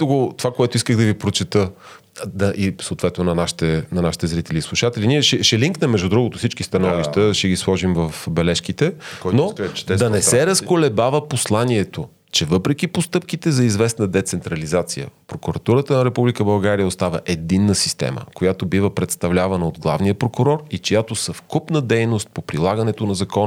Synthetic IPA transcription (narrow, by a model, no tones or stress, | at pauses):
t̪oɡot̪ovakoɛt̪oiskəɣd̪ɐvipɾot͡ʃɛt̪ɤ | d̪ɐʔisoːt̪vɛt̪nonɐnaʃi̥t̪ɛnɐnaʃit̪ɛzɾit̪ɛliːslˠuʃat̪ɛliniɛʃɛʃɛliŋknəmːɛʒd̪ud̪ɾuɡot̪ʊsit͡ʃkist̪ɐnɔviʃt̪əʃɛɡislˠɔʒimvɐfbɛlɛʃkit̪ɛɔnoɛd̪ɐnɛsɛɾɐskolɛbavəposlˠaniɛt̪o | t͡ʃɛvɤpɾɛk̟ipost̪ɤp̚kit̪ɛzɐizvɛsnəd̪ɛt̪sɛnt̪ɾɐlizat̪sijə̰pɾokuɾɐt̪uɾət̪ənɐɾɛpublikəbɐlˠɡaɾijəost̪avə̰ʔɛd̪inːəsi̥st̪ɛ̰mə̰kojat̪obivəpɾɛt̪st̪ɐvlʲavɐnəod̪ɡlˠa̰vnijəpɾokʊɾɔɾit͡ʃojat̪osɐfkupnəd̪ɛjnost̪̚popɾilˠaɡɐnɛt̪onɐzɐkɔn